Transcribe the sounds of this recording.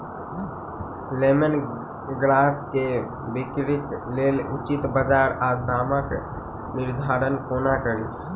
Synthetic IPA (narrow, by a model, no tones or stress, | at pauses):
lemən | ɡɾaːske | bɪkɾik̪leːlʊt͡ʃit̪bəd͡ʒaːɾad̪aːmək | nɪɾd̪ʱaːɾənkoːnakəɾi